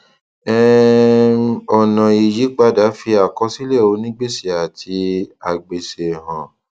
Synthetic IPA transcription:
ɛ˦ | ɔ˨nã˨i˨ji˨˦k͡pa˧˦da˨˦fi˧a˨kɔ˧˦si˦lɛ˦˨o˨˦nĩ˦ɡ͡be˦si˨a˨tʰi˧a˨ɡ͡be˨se˨ɦã˨

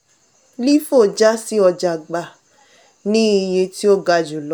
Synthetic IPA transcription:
li˦fo˦˨d͡ʒa˦si˦ɔ˧d͡ʒa˨ɡ͡ba˨ | nĩ˦i˧jẽ˧ti˦o˦ɡa˧d͡ʒu˨lɔ˨˦

